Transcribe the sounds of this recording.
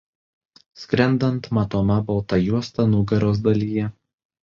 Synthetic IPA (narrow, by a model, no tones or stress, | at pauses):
sʲkɾʲɛnd̪ɐnt̪mɐt̪oːmɐbɐlˠt̪ɐjuɔst̪ɐnʊɡɐɾoːs̬d̪ɐlʲiːjɛ